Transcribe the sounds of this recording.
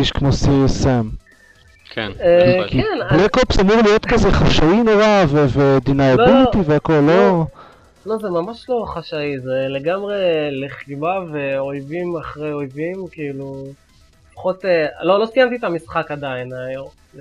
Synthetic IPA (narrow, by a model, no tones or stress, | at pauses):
iʃkmosisem | kḛnekenblekopsamuʁlijo̞t̪kazeχaʃainoʁaveved̪inaalbut̪iveako̞lːo | lo̞zemamaʃlo̞χaʃaizeleɡamʁe̞leχibaveojvimaχʁejo̞jvimkiilu | fḁχo̞t̪elo̞losijamt̪it̪amisχakad̪ainajom